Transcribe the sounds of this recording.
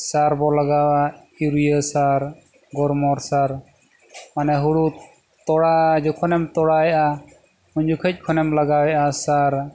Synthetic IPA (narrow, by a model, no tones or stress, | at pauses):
saɾbɔlaɡawa | iɾujəsaɾ | ɡɔɾmɔɾsaɾ | manɛɦuɽu | t̪ɔɽad͡ʒɔkʰɔnɛmt̪ɔɽajɛʔa | muɲd͡ʒukʰəc̚ˀkʰɔnɛmlaɡawɛʔasaɾ